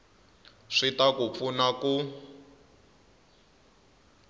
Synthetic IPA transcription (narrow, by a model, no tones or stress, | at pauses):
ʂitakup̪funaku